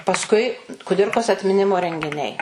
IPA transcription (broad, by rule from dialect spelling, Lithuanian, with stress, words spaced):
pɐsˈkʊɪ kʊˈdʲɪrkoːs ɐtʲmʲɪˈnʲɪmoː rʲɛŋʲɡʲɪˈnʲɛɪ